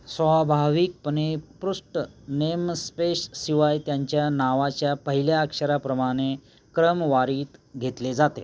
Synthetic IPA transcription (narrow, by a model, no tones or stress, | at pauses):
sʋabʱaʋik̚pənepɾuʂʈənemspeʂsiʋajt̪jaɲt͡ɕjanaʋat͡ɕjapəɦiljaːkʂəɾapɾəmaɽ̃e | kɾəmʋaɾiːt̪ɡʱet̪led͡zat̪ḛ